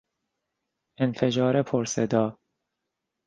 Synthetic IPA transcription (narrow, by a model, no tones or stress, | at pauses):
enfed͡ʒɒːɾepʰoɾsed̪ɒː